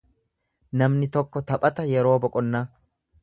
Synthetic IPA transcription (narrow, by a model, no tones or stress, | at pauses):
nɐmnɪt̪ɔkːɔt̪ɐpʼɐt̪ɐjɛɾo̞ːbɔkʼɔnːɐ